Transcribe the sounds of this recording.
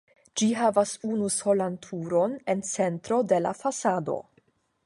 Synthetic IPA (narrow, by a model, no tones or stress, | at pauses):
d͡ʒiɦavasunuso̞lantʰuɾo̞ne̞nt͡se̞ntɾo̞de̞la̰fasado̞̰